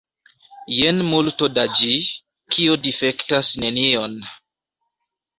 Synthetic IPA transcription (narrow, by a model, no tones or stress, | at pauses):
jenmultodad͡ʒi | kʰiodife̞ktasne̞nio̞n